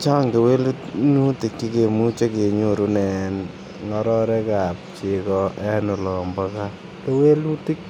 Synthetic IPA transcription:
t͡ʃa˦ŋke˨we˦lunu˦ti˨kːi˦kemu˦t͡ʃe˦ke˨ɲo˦ɾunɛ˨n | ŋɔɾɔ˦ɾɛka˨p̚t͡ʃekɔɛ˦nu˨lɔ˨mbaka | ke˦we˦lu˦ti˦k

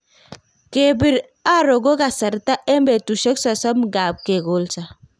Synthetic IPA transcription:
ke˨bi˨ɾ | a˦ɾo˨ɡo˦ka˨sa˨ɾta˦ʔe˦mbe˨tu˨ʃe˦ksɔ˨sɔ˦mɡa˨b̚ke˨ɡo˦lsa˨

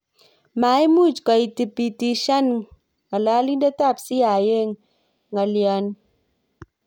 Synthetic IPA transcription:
ma˨˦i˦mu˦˨t͡ʃkɔ˨i˨ti˨pi˨ti˨ʃa˦n | ŋa˨la˦li˦da˦ta˦˨psi˦a˨je˦˨ŋ | ŋa˨ljɔ˨n

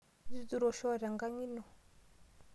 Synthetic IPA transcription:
di˦du˨ɾɔ˨ʃɔ˦˨ɾa˨ŋɡa˦ɲi˦nɔ˨

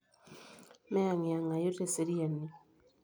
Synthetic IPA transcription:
mɛ˦a˨ŋɪ˨a˨ŋa˨jo˦te˨se˦ɾi˦a˨ni˨

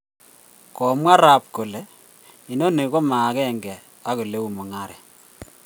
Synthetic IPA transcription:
kɔ˨mwa˦ɾa˨p̚ko˨lɛ˨ | i˨no˦ne˨ko˦ma˨˦kɛ˦˨ŋɡɛ˨ | a˦ko˨le˦u˨mu˨ŋa˦ɾɛ˨

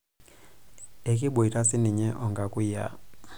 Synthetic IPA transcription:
e˨k̬ʼi˦ɓɔ˨i˨ɾa˦si˦ni˨ɲɛ˦ʔɔ˨ŋɡa˨kʼu˦ja̰˨

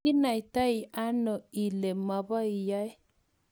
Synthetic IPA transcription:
i˦na˨jt̪a˦i˨a˦nɔ˨i˨le˨ma˨βa˦i˨ja˦j

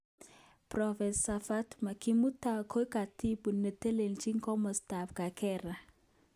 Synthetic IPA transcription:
pɾɔ˨fɛ˨nssa˨fa˦tma˨ki˨mu˦ta˨kʰo˦jka˨ti˦bu˨nːə˨te˦le˨nt͡ʃi˦ŋkɔ˦mɔ˨sta˨fka˨kɛ˦ɾa˨

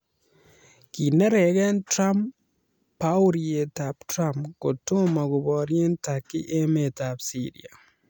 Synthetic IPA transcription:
ki˨ne˦ɾe˨ɣe˦ntɾa˦m | pa˦u˦ɾie˨ta˨ptɾa˦mpku˨tu˦ma˨ɣu˨βɔ˨ɾje˦ntaki˦ʔe˦me˨ta˨psi˦ɾḭ˨a˨

